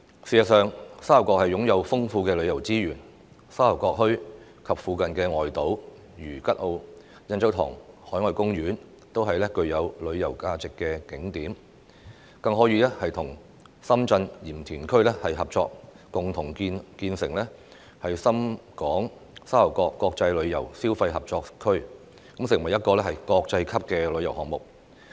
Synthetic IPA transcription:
siː˨˩ɐ˨t̚sœː˨ŋsaː˥˨˩wkɔː˧k̚hɐ˨jʊ˨˥ŋjɐ˨˧wfʊ˥ŋfuː˧kɛː˧lɵ˨˧ɥjɐ˨˩wt͡siː˥jyː˨˩n | saː˥lɐ˨˩wkɔː˧k̚hɵ˥ɥ | kʰɐ˨p̚fuː˨˧kɐ˨nkɛː˧ŋɔː˨jt̪o˨˥w | jyː˨˩kɐ˥t̚ʔo˧w | jɐ˧nt͡sɐ˨˥wt̪ʰɔ̰ː˨˩ŋhɔː˨˥jŋɔː˨˧jkʊ˥ŋjyː˨˥n | t̪o˥wɦɐ˨jlɛː˥kɵ˧ɥjɐ˨˧wlɵ˨˧ɥjɐ˨˩wkaː˧t͡sɪ˨kːɛː˧kɪ˨˥ŋt̪iː˨˥m | kɐ˧ŋɦɔː˨˥jiː˧lɛ˥hɐ˨jt̪ʰʊ˨˩ŋ | sɐ˥mt͡sɐ˧njiː˨˩mt̪ʰyː˨˩nkʰɵ˥ɥlɛː˥hɐ˨jɦɐ˨p̚t͡ʃɔː˧k̚ː | ʊ˨ŋt̪ʰʊ˨˩ŋi˧nkiː˧nsɪ˨˩ŋlɛː˥ | hɐ˨jsɐ˥mkɔː˨˥ŋ | saː˥lɐ˨˩wkɔː˧kːɔː˧k̚t͡sɐ˧jlɵ˨˧ɥjɐ̰˨˩wsiː˥wfɐ˧jɦɐ˨p̚t͡ʃɔː˧kkʰɵ˥ɥ | kɐ˨˥msɪ˨˩ŋwɐ˨˩jɐ˥t̚kɔː˧lɛː˥hɐ˨jkɔː˧k̚t͡sɐ˧jkʰɐ˥p̚kɛː˧lɵ˨˧jɐ˨˩wɦɔː˨k̚mʊ˨k̚

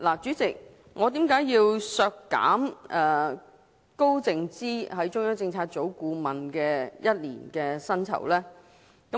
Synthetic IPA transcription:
laː˨˩t͡ʃyː˨˥t͡sɪ˨k̚ | ŋɔː˨˧t̪iː˨˥mkaː˨˥jiː˧wsœː˧kːa̰ː˨˥mʔɛː˨ | ko˥wt͡sɪ˨ŋt͡siː˥hɐ˨˥jt͡ʃʊ˥ŋjœː˨˥t͡sɪ˧ŋt͡sʰaː˧t̚t͡so˨˥wkuː˧mɐ˨nkɛː˧jɐ˥t̚lḭː˨˩nkɛː˧sɐ˥nt͡sʰɐ̰˨˩wlɛː˥ | kɐ˨˦

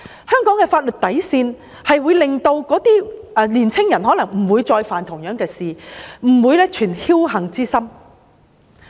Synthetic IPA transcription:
hœː˥ŋkɔː˨˥ŋkɛː˧faː˧t̚lɵ˨t̚t̪ɐ˨˥jsiː˧n | hɐ˨jwuː˨˧jlɪ˨ŋt̪o˧wkɔː˨˥t̪iː˥ʔɛ˧liː˨˩nt͡sʰɪ˥ŋjɐ˨˩nɦɔː˨˥lɐ˨˩ŋm̩˨˩wuː˨˧jt͡sɔː˧jfaː˨nt̪ʰʊ˨˩ŋjœː˨˥ŋkɛː˧siː˨m̩˨˩wuː˨˧jlɛ˥t͡ʃʰyː˨˩nhiː˥wɦɐ˨ŋt͡siː˥sɐ˥m

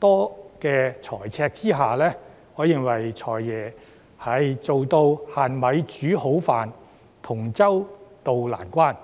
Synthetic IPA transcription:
t̪ɔː˥kɛː˧t͡sʰɔː˨˩jt͡sʰɛː˧k̚t͡siː˥ɦaː˨lɛː˥ | ŋɔː˨˧jɪ˨˩ŋwɐ˨˩jt͡sʰɔː˨˩jːɛː˨˩ | hɐ˨jt͡so˨wt̪o˧whaː˨nmɐ˨˧jt͡ʃyː˨˥ho˨˥wfaː˨n | t̪ʰʊ˨˩ŋt͡sɐ˥wt̪o˨wla̰ː˨˩nkʷaː˥n

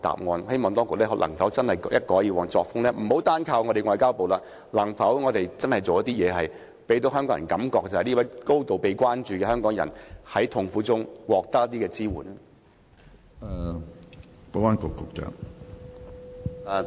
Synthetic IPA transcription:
t̪a̰ː˨p̚ŋɔː˨nhe˥jmɔː˨ŋt̪ɔː˥ŋkʊ˨k̚lɛː˥ɦɔ˧˥lʔɐ˨˩ŋfɐ˨˥wt͡sɐ˥nhɐ˨jjʔɐ˥t̚kɔː˨˥jiː˧wɔː˨˩nt͡sɔː˧k̚fʊ˥ŋlɛː˥m̩˨˩ho˨˥wt̪aː˥nkʰaː˧wŋɔː˨˧ɾe˨jŋɔː˧jkaː˥wpo˨wlaː˧ | lɐ˨˩ŋfɐ˨˥wŋɔː˨˧t̪e˨jt͡sɐ˥nhɐ˨jt͡so˨wjɐ˥t̪iː˥jɛː˨˧ɦɐ˨j | pe˨˥jt̪o˧˥wɦœ˥ŋkɔː˧˥jɐ˨˩kɐ˨˥mkɔː˧k̚t͡sɐ˨hɐ˨nliː˥wɐ˨˥jko˥wt̪o˨wpe˨jkʷaː˥nt͡ʃyː˨˧kɛː˧ɦœː˥ŋkɔː˨˥ŋjɐ̰˨˩nhɐ˨˥jt̪ʰʊ˨˧ŋfuː˨˥t͡sʊ˥ŋwɔː˨k̚t̪ɐ˥k̚ɐ˥t̪iː˥kɛː˧t͡siː˥wuː˨˩nɐ˦ | ɛ˨˧ | po˨˥waː˥nkʊ˨˧kːʊ˨˧k̚t͡ʃœ̰ː˨˧˨

